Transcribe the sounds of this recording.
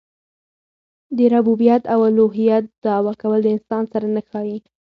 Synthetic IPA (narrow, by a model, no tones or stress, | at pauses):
d̪əɾabubijat̪awaluɦijat̪̚d̪ɑwɑkawəld̪əɪnsɑnsaɾanaxɑji